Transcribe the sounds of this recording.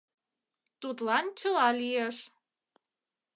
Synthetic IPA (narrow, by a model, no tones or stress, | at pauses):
t̪ut̪lɑnt͡ɕəlɑlieʃ